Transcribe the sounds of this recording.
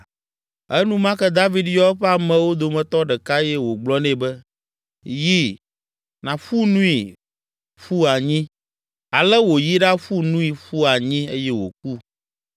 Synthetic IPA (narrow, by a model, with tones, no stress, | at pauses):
ɛ˦nũ˦mã˦kɛ˦d̪a˦vi˦d̪jɔ˦ɸɛ˦a˨mɛ̃˨wo˦d̪o˨mɛ̃˨t̪ɔ˦ɖɛ˨ka˦jɛ˦wo˨ɡ͡blɔ˦nɛ̃˦bɛ˦ | ji˦ | nã˨fu˦nũ˦i˨ | fu˦a˨ɲĩ˦ | a˨lɛ˦wo˨ji˦ɖa˦ɸu˦nũ˦i˨ɸu˦a˨ɲĩ˦e˦jɛ˦wo̰˨k̚u˦